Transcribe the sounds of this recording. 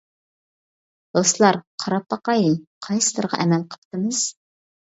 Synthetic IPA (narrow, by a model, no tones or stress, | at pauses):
d̪̥oslˠɑɾqʰɑɾɑpːɑqɑjiqʰɑjsɨ̥t̪ɨɾʁɑ̰ʔɛmɛlqʰə̥p̚t̪ɨmɨz̥